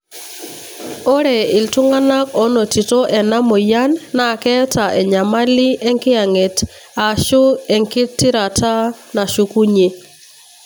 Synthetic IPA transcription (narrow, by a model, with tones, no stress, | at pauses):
o˦ɾɛ˨ɪ˨ltʊ˦ŋa˦na˦kɔ˦no˨ti˨to˦ʔɛ˨na˦mo˨ja˦nːa˨kɛ˦ta˨ʔɛ˨ɲa˨ma˦lɪ˦ɛ˦ŋkɪ˦a˨ŋe˨ta˨ʃʊ˦ɛ˨ŋkɪ˦tːi˦ɾa˨ta˦na˨ʃu˨ku˦ɲe˨